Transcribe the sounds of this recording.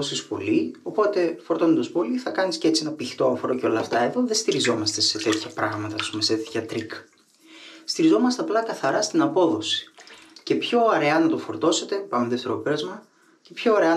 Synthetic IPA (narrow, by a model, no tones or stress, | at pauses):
osispo̞̰lio̞po̞t̪e̞fo̞ɾt̪o̞nond̪ɐspo̞liθɐkɐniscee̞t͡sienɐpiçt̪oɐfoɾoceo̞lɐft̪ɐe̞ðo̞ðest̪iɾizo̞mɐst̪e̞se̞t̪e̞t̪çɐpɾɐɣmɐt̪ɐɐspume̞set̪et̪çɐt̪ɾik | st̪iɾizo̞mɐst̪e̞ɐplɐkɐθɐɾɐst̪inɐpo̞ðo̞si̥ce̞pço̞ɐɾe̞ɐnɐt̪ofo̞ɾt̪o̞se̞t̪e̞pɐmeðeft̪eɾopeɾɐzmɐ | ce̞pço̞ɐɾeɐ